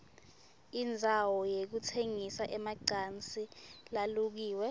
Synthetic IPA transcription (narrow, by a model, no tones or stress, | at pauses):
ind͡zʱawɔjek̬utʰeŋisaʔɛmaǀant͡sʼilaluk̬iːwɛ